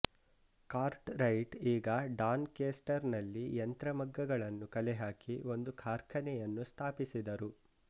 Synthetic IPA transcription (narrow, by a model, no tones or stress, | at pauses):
kaːɾʈɾɐjʈiːɡɐɖaːnkeːsʈɐɾnɐlːiɐnt̪ɾɐmɐɡːɐɡɐɭɐnːukɐlɛɦaːkio̞nd̪ukʰaːɾkʰɐnɛjɐnːust̪ʰaːpisid̪ɐɾu